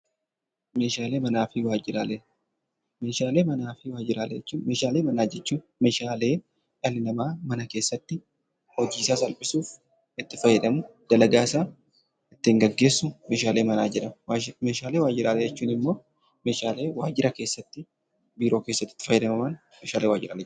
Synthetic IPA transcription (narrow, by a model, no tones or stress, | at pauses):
me̞ːʃaːleːmɐnaːfɪwaːd͡ʒɪɾale | me̞ːʃaːle̞ːmɐnaːfɪwaːd͡ʒɪɾaːlɛ̰ɛt͡ʃːuːnme̞ːʃaːle̞ːmɐnaːd͡ʒɛt͡ʃːuːn | me̞ːʃaːle̞ː | ᶑɐlɪnɐmaːmɐnɐke̞ːsːɐt̪ːɪ | hɔd͡ʒiːsaːsɐlpʼɪsuːf | ɪt̪ːɪfɐjːɛᶑɐmʊd̪̥ɐlɐɡaːsaː | ɪt̪ːɪɪŋɡɐɡːe̞ːsːʊme̞ːʃaːle̞ːmɐnaːd͡ʒɪᶑɐmme̞ːʃaːle̞ːwaːd͡ʒɪɾaːlɛd͡ʒɛt͡ʃːuːnɪmːo̞ː | me̞ːʃaːle̞ːwaːd͡ʒɪɾʔɐke̞ːsːɐt̪ːɪ | biːɾo̞ːke̞ːsːɐt̪ːɪ̥t̪ːɪ̥fɐjːɛd̪ɐmɐman | meːʃaːlewaːd͡ʒɪɾa̰ːlɛ